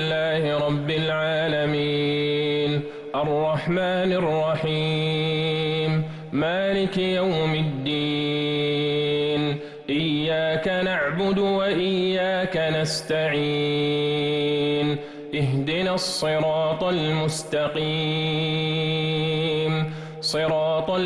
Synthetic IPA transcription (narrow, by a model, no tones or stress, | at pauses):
lːaːhɪɾˤɑbːɪlʕaːlamiːn | ʔɑrˤːɑħmaːnɪrˤːɑħiː | m | maːlɪkjawmɪd̪ːiː | n | ʔɪjːaːkanaʕbʊd̪waʔɪjːaːkanast̪aʕi | n | ʔɪɦd̪ɪnaːsˤːɨɾɑːt̪ˤalmʊst̪ɑqiː | m | sˤɨɾɑːt̪ˤ